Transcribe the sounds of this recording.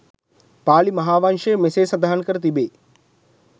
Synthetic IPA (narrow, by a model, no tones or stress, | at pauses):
paːlimɐɦaːʋaŋʂəjəmeseːsɐd̪aɦankəɾət̪̬ibeː